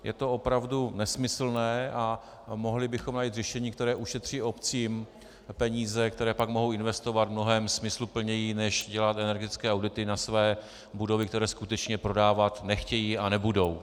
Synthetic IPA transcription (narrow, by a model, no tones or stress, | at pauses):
jɛ̰t̪o̞opɾavdunɛsmɪsl̩nɛːʔa | moɦlɪbɪxomnajiːt̪rɛʃɛɲiːkt̪ɛɾɛːʔuʃɛt̪r̝̥iːo̞pt͡siːm | pɛɲiːzɛk̚t̪ɛɾɛːpakmoɦowɪnvɛst̪o̞vat̪vmno̞ɦɛːmsmɪslupl̩ɲɛjinɛʃɟɛlat̪ɛnɛɾɡɛt̪ɪt͡skɛːawdɪt̪ɪnasvɛː | budo̞vɪkt̪ɛɾɛːskut̪ɛt͡ʃɲɛpɾo̞daːvat̪nɛxcɛjiːanɛbudo̞w